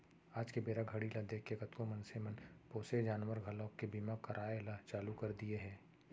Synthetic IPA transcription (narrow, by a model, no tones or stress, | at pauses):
aːd͡ʒkebeːɾaɡʱɐɽilad̪eːkːekɐt̪kõmɐnsemənpoːsed͡ʒaːnwəɾɡʱɐlõːkːebiːmakɐɾʔaːelat͡ʃaːlukɐɾd̪ieɦɛ̃ː